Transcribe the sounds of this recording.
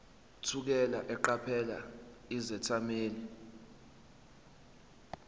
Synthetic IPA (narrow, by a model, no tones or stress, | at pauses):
tʰuk̬ɛlaʔɛǃapʰɛla̰izɛtʰameːli